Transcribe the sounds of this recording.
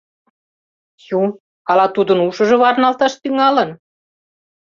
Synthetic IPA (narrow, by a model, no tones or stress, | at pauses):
ju | ɑlɑt̪ud̪ə̆nuʃə̆ʒɤ̆βɑrnɑlt̪ɑʃt̪yŋɑlən